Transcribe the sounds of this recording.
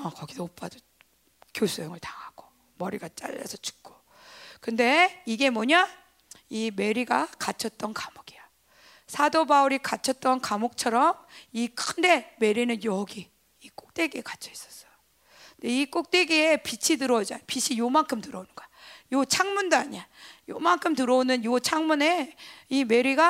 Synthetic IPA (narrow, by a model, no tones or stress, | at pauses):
ʌkʌɡidoop͈ʰado | kjosʰojoŋɯɭtaŋaɡ̥o̥ | mʌɾiɡat͡ɕ͈a̰ʎːa̰sʰʌ̥t͡ɕu̥k͈ʰo̥ | kɯnde̞iɡe̞moɲa | ime̞ɾiɡakat͡ɕʰʌt̚t͈ʌnkamoɡia | sʰadobauɾikat͡ɕʰʌt̚t͈ʌnkamok̚t͡ɕʰʌɾʌmikɯnde̞me̞ɾinɯnjʌɡiː | k͈ok̚t͈e̞ɡiekat͡ɕʰʌis͈ʌ̥s͈ʌ̥jo | nde̞ik͈ok̚t͈e̞ɡiepit͡ɕʰidɯɾʌd͡ʑajopit͡ɕʰijomankʰɯmtɯɾʌonɯnɡajot͡ɕʰaŋmundoaɲiajomankʰɯmtɯɾʌonɯnjot͡ɕʰaŋmune̞ime̞ɾiɡa